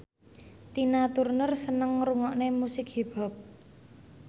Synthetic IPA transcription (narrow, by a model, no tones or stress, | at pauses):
t̪inat̪urnərsənəŋruŋɔʔnemusɪkheb̥a̤p̚